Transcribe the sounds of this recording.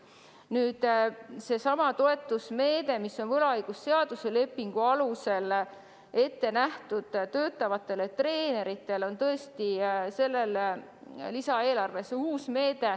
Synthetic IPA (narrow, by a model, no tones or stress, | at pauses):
nyːd̪̥se̞sɑmɑt̪o̞e̞t̪ːˑusme̞ːd̪̥e̞misːo̞nvɤlɑɑjɡ̥usːe̞ɑd̪̥use̞le̞pːiŋɡ̥uɑluse̞l | e̞t̪ːe̞næht̪ud̪̥t̪ø̞ːt̪ːˑɑvɑt̪ːˑe̞le̞t̪re̞ːne̞ɾit̪ːˑe̞lo̞nt̪ɤ̞e̞st̪ise̞lːe̞l | lisɑe̞ːlɑrve̞suːsme̞ːd̪̥e̞